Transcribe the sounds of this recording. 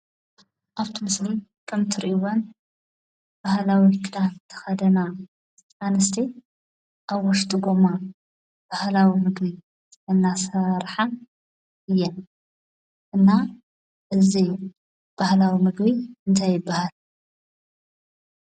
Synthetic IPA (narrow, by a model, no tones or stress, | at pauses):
ʔaβt̪ʰimɨsli | kʰɨmt̪ʰɨɾiʔuwon | b̥ahlawikʰɨd̪ant̪ʰɐ̥xɐd̪ɐna | anɨst̪ʰi | ʔaβːɔʃt̪ʼɨɡo̞ma | b̥ahlawimɨɡbi | ɨnːasɐɾħa | ʔɨjːɛn | ʔɨnːa | ʔɨzi | b̥ahlawimɨɡbiɨnt̪ʰajɪbːahal